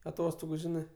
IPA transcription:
ɐˈtoːstoːɡʊ ˈʒʲɪnɜ

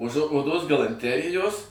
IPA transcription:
ʊʃ oː oːˈdoːs ɡɐlˠɐnʲˈtʲæːrʲɪjoːs

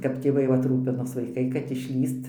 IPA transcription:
kɐp tʲeːˈʋɐɪ ˈʋɐt ˈruːpʲɪnoːs ʋɐɪˈkɐɪ kɐt ɪʃʲˈlʲiːst

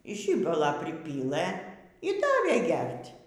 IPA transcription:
ˈʒʲɪbɐlˠɐ pʲrʲɪˈpʲiːlˠɘ iː ˈdɑːʋʲeː ˈɡʲɛrʲtʲ

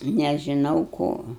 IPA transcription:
nʲɛʒʲɪˈnɐʊ ˈkoː

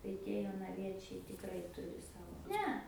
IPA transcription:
tɐɪ ˈtʲiɛ joːnɐˈʋʲiɛt͡ʃʲɛɪ tʲɪkˈrɐɪ ˈtʊrʲɪ ˈsɑːʋoː ˈnʲɛ

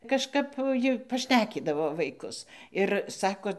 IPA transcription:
kɐʃˈkɐp ˈjɪ pɐˈʃʲnʲæːkʲiːdɐʋoː ʋɐɪˈkʊs ɪr ˈsɑːkoː

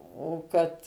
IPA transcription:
oː ˈkɐt

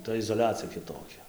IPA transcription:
ˈtɐ ɪzoːˈlʲæːt͡sʲɪjɛ kʲɪˈtoːkʲɛ

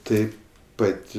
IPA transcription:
ˈtɐɪp ˈpɐtʲ

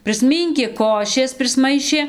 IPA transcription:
pʲrʲɪsʲˈmʲiːŋʲkʲeː ˈkoːʃʲeːs pʲrʲɪsˈmɐɪʃʲeː

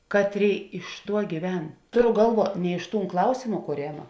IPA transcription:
ˈkɑːtʲˌrʲeːɪ ɪʃ ˈtuɔ ɡʲiːˈʋʲɛn ˈtoːˌroː ɡˈɐlˠˌʋuɔ nʲɛ ɪʃ ˈtuːn ˈklˠɐʊsʲeːmɐ kuːˈrʲeːmɐ

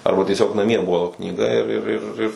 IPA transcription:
ˈɐrbɐ tʲiɛˈsʲoːk nɐˈmʲiɛ ˈbʊʋoː knʲiːˈɡɐ ɪr ɪr ˈɪr ɪr

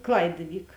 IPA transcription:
ˈklˠɐɪt ɪˈʋʲiːk

